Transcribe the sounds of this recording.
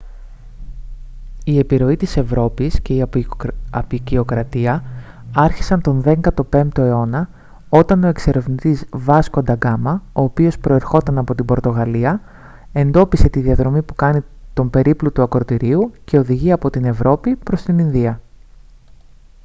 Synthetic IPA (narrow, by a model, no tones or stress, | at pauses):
ie̞piɾo̞it̪ise̞vɾo̞pisce̞i | ɐpicio̞kɾɐt̪iɐ | ɐɾçi̥sɐnt̪o̞nðe̞ŋɡɐt̪o̞pe̞mpt̪o̞e̞o̞nɐ | o̞t̪ɐno̞e̞kse̞ɾe̞vnit̪izvɐsko̞nd̪ɐɡɐmɐo̞ːpio̞spɾo̞e̞ɾxo̞t̪ɐnɐpo̞t̪imbo̞ɾt̪o̞ɣɐliɐ | e̞nd̪o̞pise̞t̪iðiɐðɾo̞mipukɐnit̪o̞mbe̞ɾiplut̪uɐkɾo̞t̪iɾiuce̞o̞ðiʝiɐpo̞t̪ine̞vɾo̞pipɾo̞st̪ininðiɐ